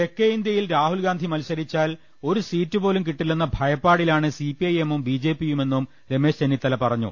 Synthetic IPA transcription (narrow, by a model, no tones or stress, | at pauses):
e̞kːeind̪jɐjilɾaːhulɡaːnd̪ʱimɐlsɐɾit͡ɕːaːl | o̞ɾusiːtːɨpo̞ːlumkiʈːiɭːunːɐbʱɐjɐpːaːɽilaːɳɨsipiɐjemumbiːd͡ʑe̞ːpːijume̞nːum | ɾe̞me̞ːɕt͡ɕenːit̪ːɐlɐpɐrɐɲːṵ